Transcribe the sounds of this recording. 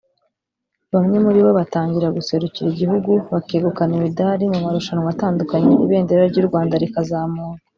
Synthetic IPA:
βamɲe̞muɾiβoβataːɲɟiɾaɡuse̞ɾuciɾiɟihuɡuβakeːɡukanimidaɾimumaɾuʃanuŋwataːndukaɲeʔḭβe̞ːndeɾaɾɟuːɾɡwaːndaɾikazaːmuːŋa

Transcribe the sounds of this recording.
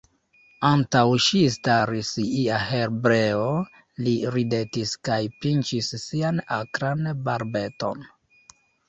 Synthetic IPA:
antawʃistaɾisiahe̞ɾbɾe̞o | liɾide̞tiskajpint͡ʃisːianakɾanbaɾbe̞to̞̰n

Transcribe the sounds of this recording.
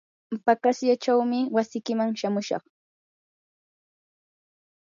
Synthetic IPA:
pakasjat͡ʃawmɪwasɪkɪmaŋʃamʊʃɑ̰χ

